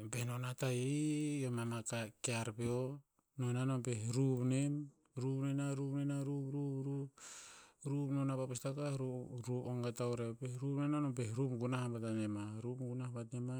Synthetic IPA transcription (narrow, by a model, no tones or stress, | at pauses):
pehnonatajejomamakakeaɾbeo | nonanompehɾupnem | ɾupnenaɾupnenaɾupɾuɾu | ɾupnonapapestakaɾuɾupoŋɡatawɾepeɾupnenanompehɾupɡunahabatanemaɾupɡunahbatnema